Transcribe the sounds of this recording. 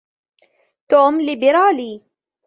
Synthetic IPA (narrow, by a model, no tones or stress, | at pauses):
t̪oːmlɪbɪɾɑːliː